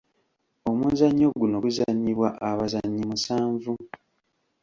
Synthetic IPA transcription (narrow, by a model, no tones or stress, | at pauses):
o̞muːnzaɲːo̞ɡuno̞ɡuzaɲːiβwaʔaβazaɲːimusaːɱvu